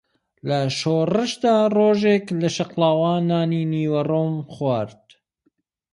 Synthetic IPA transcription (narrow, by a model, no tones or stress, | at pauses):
lɐʃoːrɨʃd̪aːroːʒeːklɐʃɐqlaːwaːnaːniːniːwɐroːmxwaːɾt̪